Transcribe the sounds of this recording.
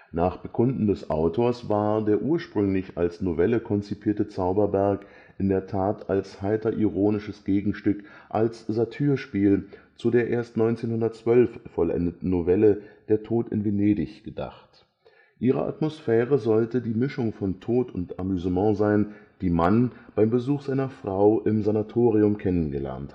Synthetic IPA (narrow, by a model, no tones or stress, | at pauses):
naːχb̥əkʰʊndn̩dɛsʔa̰ʊtʰoːɐsv̥aːɐdeːɐʔuːɐʃpʁ̥ʏŋlɪça̰lsnovɛləkʰɔnt͡sipʰiːɐtət͡saʊbɐbɛɐk | ʔɪndeːɐtʰaːtalshaɪtɐʔiʁoːnɪʃəsɡ̥eːɡŋ̩ʃtʏkʔalsz̥atʰyːɐʃpiːl | t͡sudeːɐʔeːɐstnɔʏnt͡seːnhʊndɐtt͡sv̥œlfːɔlʔɛ̰ndətn̩ːovɛləd̥eːɐtʰoːtɪ̰nveneːdɪçɡ̥əda̰χt | ʔiːʁ̞ə̰ʔa̰tmosfɛːʁəzɔltədiːmɪʃʊŋfɔntʰoːtʊnta̰myzəmɑ̃ːzaɪnd̥iːmanb̥aɪmbəzuːxz̥aɪnɐfʁ̥aʊʔɪmzanatʰoːʁiʊmkʰɛnənɡəlɛ̰ɐnt